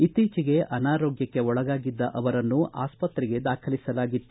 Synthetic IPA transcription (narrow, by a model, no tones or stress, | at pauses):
it̪iːt͡ʃiɡe̞ʔɐnaːɾoːɡjɐkːe̞ɔɭɐɡaːɡid̪ːɐʔɐʋɐɾɐnːuʔa̰ːspɐt̪ɾiɡe̞d̪aːkʰɐlisɐlaːɡit̪ːu